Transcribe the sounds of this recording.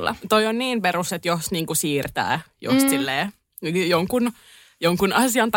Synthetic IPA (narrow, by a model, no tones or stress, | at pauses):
lːɑ̰t̪oionniːmperuset̪jost̪niːŋkusiːrt̪æ̰ːjo̰st̪silːeː | njoŋkun | joŋkunɑsiɑnt̪